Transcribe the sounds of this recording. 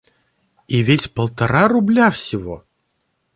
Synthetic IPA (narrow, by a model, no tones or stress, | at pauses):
ivʲetʲpəlˠt̪ɐɾaɾʊblʲafsʲɪvo̰